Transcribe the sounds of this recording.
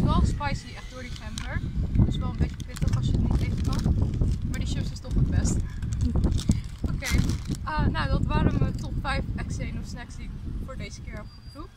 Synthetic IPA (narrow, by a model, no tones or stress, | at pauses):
tʋɛlˠspajsiʔɛχtd̥ʊːɹdifɛmbəɹdəsʋɛlˠəmbejtəprɪtəχɑsjəətnitejχəkɑnmaːɹdiʃɪfsɪstɔχətbɛst | okejʔənawdɑtʋaːɾəmətɔtfɛjfɛksejnɔsnɛksdiɪkfʊːɹdejzəkɪːɹɛpχəpuk